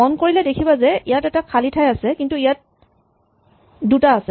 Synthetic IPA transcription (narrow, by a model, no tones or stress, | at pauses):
ɔnkoɹilɛdekʰibazɛʔijatɛtakʰalitʰajasɛkintuijat̚ | dutaːsɛ